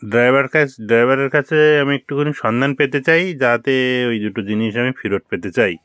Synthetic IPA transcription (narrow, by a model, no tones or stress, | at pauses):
ɖɾajbʱaɾkʰaɖɾajbʱaɾeɾkʰat͡ɕʰeamiek̚ʈukoniʃɔnd̪ʱanpet̪et͡ɕajd͡ʑat̪eojd̪uʈod͡ʑiniʃamifʰiɾoʈ̚pet̪et͡ɕaj